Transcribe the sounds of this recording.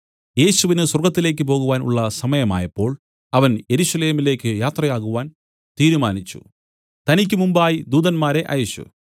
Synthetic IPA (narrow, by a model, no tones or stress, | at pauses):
je̞ːɕuʋinɨswɐrɡɐt̪ːile̞ːk̬ʲːɨpo̞ːɣuʋaːnṵɭːɐsɐmɐjɐma̰ːjɐpːo̞ːɭ | ɐʋɐnje̞ɾuɕɐle̞ːmile̞ːkʲːɨjaːt̪rɐjaːɣuʋaːn | t̪iːɾumaːnit͡ɕːṵ | t̪ɐnik̬ʲːɨmumbaːjid̪uːd̪ɐnmaːɾe̞ʔɐ̰juɕːṵ